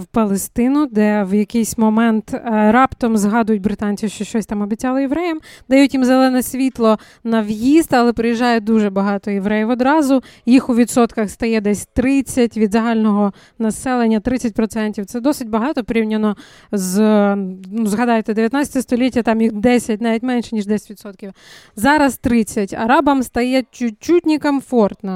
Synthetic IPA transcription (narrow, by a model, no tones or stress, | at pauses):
wpɐlˠest̪ɪnʊd̪ɛwjɐkɪjsʲmɔmɛnt̪ɾɑpt̪ɔmzɦɑd̪ʊjʊtʲbɾɪt̪ɑnʲt͡sʲiʃt͡ʃɔʃt͡ʃɔsʲt̪ɑmɔbʲitt͡sʲɑlˠɔjeʋɾɛjɛmd̪ɐjutʲjimzelˠɛnɛsʲʋʲit̪lˠɔ | nɐwjist̪ɐlˠɛpɾɪjiʒːɑjɛd̪uʒɛbɐɦɑt̪ɔjeʋɾɛjɛʋɔd̪ɾɑzʊjixʊʋʲid̪sɔt̪kɐxst̪ɐjɛd̪ɛsʲt̪ɾɪt͡sʲːɐtʲʋʲid̪zɐɦɑlʲnɔɦɔ | nɐsɛlˠenʲːɐt̪ɾɪt͡sʲːɐtʲpɾɔt̪sɛnʲtʲiwt̪sɛd̪ɔsɪtʲbɐɦɑt̪ɔpɾʲiwnʲɐnɔ | z | nuzɦɐd̪ɑjet̪ɛd̪eʋʲjɐt̪at͡sʲɐ̥t̪ʲɛst̪ɔlʲitʲːɐt̪ɑmjixd̪ɛsʲɐt̚ʲnɑʋʲitʲmɛnʃɛnʲiʒd̪ɛsʲɐ̥tʲʋʲid̪sɔt̪̚kʲiwzɑɾɐst̪ɾɪt͡sʲːɐtʲɐ̰ɾɑbɐmst̪ɐjɛt͡ʃʊt͡ʃutʲnʲikɐmfɔrt̪nɐ